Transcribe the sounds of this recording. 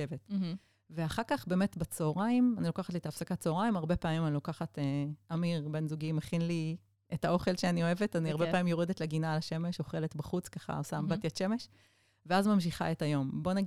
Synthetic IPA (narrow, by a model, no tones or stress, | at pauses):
evet | veaχaʁkaχbeːme̞tbet͡soːʁaimanilokaχatlit̪aːfsakat͡soːʁaimaʁbepaːmimanilokaχateamiʁbe̞nzuɡimːeχinli | etao̞χe̞lʃeanio̞e̞vetaniaʁbepaːmimjo̞ʁedetleɡinalaʃe̞meʃo̞χe̞letbaχut͡skaχa̰osambatiatʃe̞me̞ʃ | veazmamʃ̬iχa̰etajo̞mbo̞naɡ